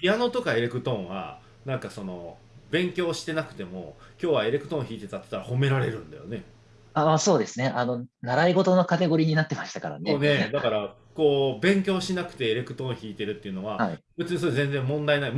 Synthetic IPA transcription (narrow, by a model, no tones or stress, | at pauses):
ijano̞t̪o̞kae̞ɾe̞kɯ̟t̪õ̞ɰ̃βa̰ | nãŋkaso̞no̞ | bẽ̞ŋkʲo̞ːɕi̥t̪e̞nakɯ̟̥t̪e̞mo̞kʲo̞ːβae̞ɾe̞kɯ̟̥t̪õ̞çiːt̪e̞t̪at̪ːe̥t̪ːaɾaho̞me̞ɾaɾe̞̰ɾɯ̟̃nd̪ajo̰ne̞ | aso̞ːd̪e̞sɨne̞ʔano̞naɾaiɡo̞t̪o̞no̞kat̪e̞ɡo̞ɾʲiɲ̟inat̪ːe̞maɕi̥t̪aka̰ɾa̰nene̞d̪akaɾa | ko̞ːbẽ̞ŋkʲo̞ːɕinakɯ̟̥t̪e̞ːɾe̞kɯ̟t̪õɰ̃çiːt̪e̞ɾɯ̟t̪ːeiɯ̟no̞βaaib̥ɯ̟t͡sɨɲisozẽ̞nd͡zẽ̞mːõ̞nd̪ainai